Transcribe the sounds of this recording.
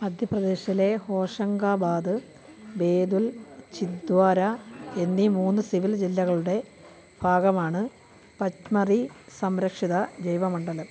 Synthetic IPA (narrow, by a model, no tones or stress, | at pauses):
mɐd̪ʱjɐprɐd̪e̞ːɕɐile̞ho̞ːʂɐŋɡaːbaːd̪ɨ | be̞ːd̪ult͡ɕid̪waːɾɐe̞nːimuːnːɨsiʋild͡ʑilːɐɣɐɭuɽe̞ | bʱaːɡɐmaːɳɨ | pɐt͡ɕmɐrisɐmɾɐkʂiðɐd͡ʑɐjʋɐmɐɳɖɐlɐ